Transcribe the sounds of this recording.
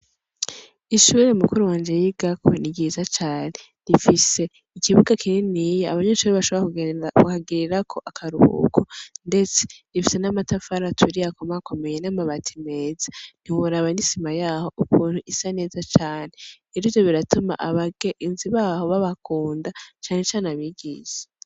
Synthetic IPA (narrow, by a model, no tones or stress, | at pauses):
iʃuːɾemukuɾuwaːnd͡ʒe̞jiɡakʰo̰niɡizat͡ʃaːne̞ | nifise̞ | ikiβuɡakʰininijea̰βaɲeʃuɾeβaʃoβauhaɡiɾiɾakʰo̞ʔakʰaɾuhṵkʰonde̞t͡se̥difise̞namatafaɾatʰuɾiakomako̞me̞jenamaβatʰime̞ːzḁn̥ihuɾaβanisimajaːho̞ʔukuːn̥huʔisane̞ːzat͡ʃaːne | iɾiːvjo̞βiɾatuma̰ʔaβaɡeʔinziβaːho̞βaβakuːndat͡ʃaːne̞t͡ʃaːneaβiɡiːz̥ḁ